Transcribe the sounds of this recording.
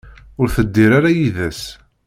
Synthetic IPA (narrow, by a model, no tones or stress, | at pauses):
ʊɾθəd̪ːiɾaɾajiðæs